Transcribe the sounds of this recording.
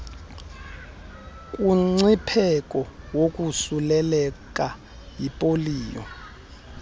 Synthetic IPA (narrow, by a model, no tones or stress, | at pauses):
kʼuŋ͡ǀipʰɛkʼɔwokʼusulɛlɛk̬ʼa | jipʼoliːjɔ̰